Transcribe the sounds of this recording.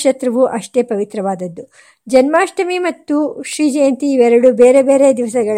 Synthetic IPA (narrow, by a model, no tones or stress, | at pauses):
ʃɐt̪ɾɐʋuʔɐʂʈe̞ːpɐʋit̪ɾɐʋaːd̪ɐd̪ːu | d͡ʒɐnmaːʂʈɐmimɐt̪ːuʃɾiːd͡ʒɐjɐnt̪iːʋɛɾɐɽube̞ːɾebeːɾe̞d̪iʋɐsɐɡɐɭ